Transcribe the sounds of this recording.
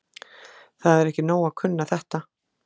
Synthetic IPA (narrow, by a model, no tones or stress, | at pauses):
θaðɛɾɛhcɪnoːwakʰʏnːaθɛht̪a